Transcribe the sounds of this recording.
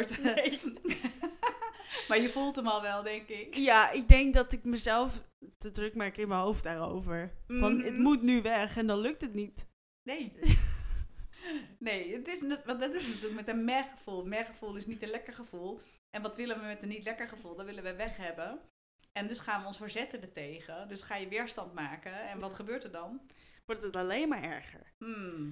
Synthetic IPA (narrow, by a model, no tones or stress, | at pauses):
t | maɹjəfulˠtəmɔlˠʋɛlˠdɛŋkɪkjaɪk̚dɛŋk̚dɔtɪkməzɛlˠfdədrʏkmakɪnməɦowft̚daːro̰wvəɹfɔnəmutnyʋɛχɛndɔnlɵk̚tətnit | nej | nejətɪsnʋɑndɑtɪsnatyːləkmɛtənmɛχəv̥ulˠmɛχəfulˠɪsnitənlɛkəɹχəv̥ulˠʔɛnʋɑtʋɪlənʋəmɛtənitlɛkəɹχəvulˠdɔtʋɪlənʋəʋɛχɦɛbən | ɛndøsχaːnʋəɔnsfəɹzɛtədətejɣədøsχaːjəʋɪːɹstɑntmaːkəɛnʋɑtχəbøːɹtəɹdɑnʋɔɹtətalejnmaːɹɛɹχə̰ɹm̩